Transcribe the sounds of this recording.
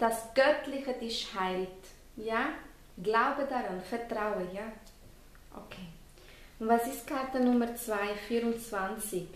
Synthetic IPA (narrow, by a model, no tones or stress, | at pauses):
d̥asɡ̥œtlɪçədɪʃhaɪlt | jaː | ɡlaʊbədaɾanfɛɾtɾaʊəjaː | ʔo̰kʰeː | ʊnvaːsɪstkʰatənʊməɾt͡sv̥aɪfiːɾʊnt͡sv̥ant͡sɪk